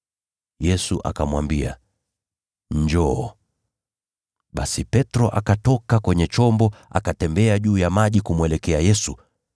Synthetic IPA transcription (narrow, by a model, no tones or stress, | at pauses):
jɛsuʔa̰kamwambia̰ | ɲd͡ʒɔː | ɓasipɛtɾɔʔakatɔkakwɛɲɛt͡ʃɔmbɔa̰katɛmbɛaʄuːjamaʄikumuɛlɛkɛajɛsu